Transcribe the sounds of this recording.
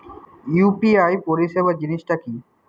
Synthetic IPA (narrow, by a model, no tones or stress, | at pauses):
jupiajpoɾiʃebad͡ʑiniʃʈaki